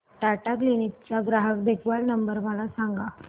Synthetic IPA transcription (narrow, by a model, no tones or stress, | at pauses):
ʈaʈaklinik̚t͡ɕaɡɾaɦəkd̪ekʋalnəmbəɾməlasaŋɡa